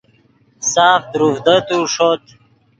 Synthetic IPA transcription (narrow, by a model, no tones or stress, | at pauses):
saːft̪ɾuhd̪ət̪uʂot̪